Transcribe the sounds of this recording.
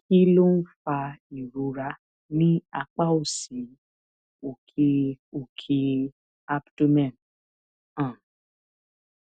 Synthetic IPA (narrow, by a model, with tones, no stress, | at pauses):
ki˦lo˦n̩˦fa˧i˨ɾo˨˦ɾa˧ | nĩ˦a˧k͡pa˦o˦˨si˨˦ | o˨kʰe˧o˨kʰe˧ | a˦pdo˦mɛ̃˦˨n | ã˦˨